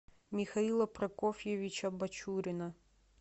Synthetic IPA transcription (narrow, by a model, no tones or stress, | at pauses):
mʲixɐilˠɐpɾɐkɔfʲjeʋʲit͡ʃɐbɐt͡ʃuɾʲɪnɐ